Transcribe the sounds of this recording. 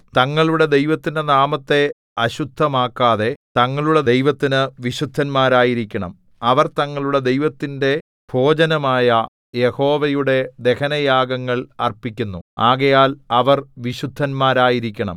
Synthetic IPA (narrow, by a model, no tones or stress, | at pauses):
t̪ɐŋːɐɭuɽe̞d̪e̞jʋɐt̪ːindenaːmɐt̪ːe̞ | ɐɕud̪ʱːɐmaːkːaːðe̞t̪ɐŋːɐɭuɽe̞ejʋɐt̪ːinɨʋiɕud̪ʱːɐnmaːɾaːjiɾikʲːɐɳɐm | ɐʋɐrt̪ɐŋːɐɭuɽe̞d̪ejʋɐt̪ːinde̞ | b̥ʱo̞ːd͡ʑɐnɐmaːjɐ | je̞ho̞ːʋɐjuɽe̞d̪e̞kɐnɐjaːɡɐŋːɐɭɐ̰rpikʲːunːuaːɣɐjaːlɐʋɐrʋiɕud̪ʱːɐnmaːɾaːjiɾikʲːɐɳɐ̰m